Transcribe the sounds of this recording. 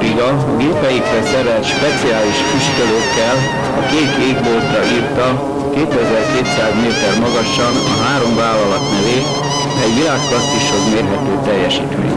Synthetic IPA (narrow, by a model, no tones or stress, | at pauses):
ɾiɡɒ | ɡeːpɛjikrɛsɛɾɛlt̪ʃpɛt̪siaːliʃkiʃkøløːkːɛl | ɒkeːt̪eːɡboːlt̪ɒʔiːrt̪ɒ | keːt̪ɛzɛrkeːt̪saːzmeːt̪ɛrmɒɡɒʃɒnɒɦaːɾo̞ɱvaːlːɒlɒt̪nɛveː | ɛɟʋilaːkːɒst̪uʃoɡmeːrɦɛt̪øːt̪ɛjːɛʃiːt̪mḛːɲ